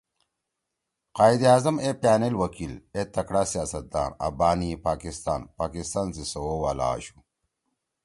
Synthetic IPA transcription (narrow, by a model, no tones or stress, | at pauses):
qaːid̪iaːzɐmepjaːnelwɐkilet̪ɐkɽaːsijaːsɐt̪̚d̪a̰ːnɐ̰baːnipaːkist̪a̰ːnpaːkist̪aːnzisowowaːla̰ːɕu̥